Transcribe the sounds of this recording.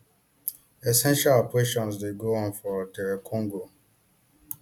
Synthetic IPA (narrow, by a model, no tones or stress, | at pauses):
ɛsɛ̃nʃalpʰweʃɔ̃ns̬deɡoɔ̃nfɔtɛɹekʰɔ̃ŋɡo